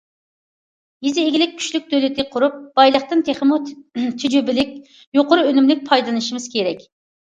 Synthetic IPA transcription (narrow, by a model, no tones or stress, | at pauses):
jizɪːɡʲilɪk̚ʲʰːy̥ʃlyk̚ʲd̪ølɪt̪ʰɪqʰʊɾup̚b̥ɑjlˠəχt̪ɨnt̪ʰeχəmut̪ʰyd͡ʒybɪlɪkʲ | joqʊɾuønymlɪk̚ʲpʰɑjd̪lˠɨnɨʃimɨz̥kʲʰeɾɛkʲ